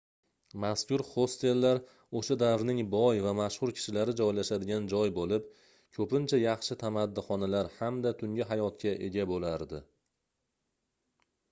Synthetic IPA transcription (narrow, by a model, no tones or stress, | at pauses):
maskʲʊɾχo̞st̪e̞lːaɾ | oʃad̪avɾnɪŋbɒjvamaʃhʊɾkʲʰɪ̥ʃɪlaɾɪd͡ʒɒjlaʃad̪ɪɡʲand͡ʒɒjbolɪp̚ | kʲʰɵpɪnt͡ʃʰajɑχʃɪt̪ʰamad̪ːɪχɒnalaɾhamd̪at̪ʰʊŋɡʲɪɦajɒt̪kʲʰaʔe̞ɡʲabolaɾd̪ɪ